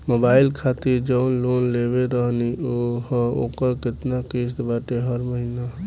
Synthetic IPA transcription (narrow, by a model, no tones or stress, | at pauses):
mobailkʰat̪iɾd͡ʒəʊnlonleβeɾəɦnioho̰kəɾket̪nakes̬t̪baʈeɦəɾməɦina